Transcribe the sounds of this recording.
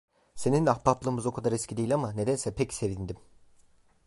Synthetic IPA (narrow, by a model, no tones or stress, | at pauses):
se̞ninahpaplˠɯːmɯzo̞kʰad̪aɾɛskcʰid̪ejilʲamane̞d̪ænsɛpʰɛcse̞vind̪im